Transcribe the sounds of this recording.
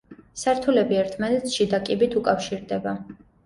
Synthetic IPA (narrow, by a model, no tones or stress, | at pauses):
saɾt̪ʰulɛbiɛɾt̪ʰmanɛt̪sʃid̪akʼibit̪ʰukʼafʃiɾd̪ɛba